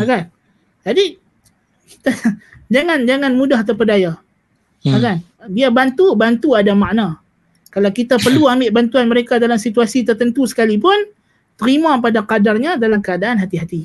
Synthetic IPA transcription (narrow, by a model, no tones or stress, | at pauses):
akan | d͡ʒadi | ki̥t̪ad͡ʒaŋand͡ʒaŋanmudaht̪apədaja | akan | biabant̪ubant̪uadamaʔna | kalawkit̪apərluamɪʔbant̪uanməɾekadalamsit̪uasit̪ərt̪ənt̪usə̥kalipʊn | t̪əɾimap̬adakadarɲadalamkəadaʔanɦat̪iɦat̪i